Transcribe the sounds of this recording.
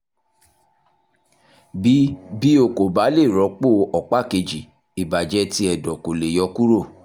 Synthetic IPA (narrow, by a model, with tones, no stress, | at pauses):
bi˨˦bi˦o˨ko˨ba˨˦le˦˨ɾɔ˨˦k͡po˦˨ɔ˨k͡pa˦˨ke˧d͡ʒi˨ | i˨ba˨d͡ʒɛ˧˦ti˧˦ɛ˨dɔ˨ko˨le˨jɔ˧˦ku˦ɾo˦˨